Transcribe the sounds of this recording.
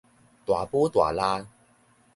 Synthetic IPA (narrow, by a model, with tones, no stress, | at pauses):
t̪wa˨˩pwɔ˦t̪wa̰˨˩la˦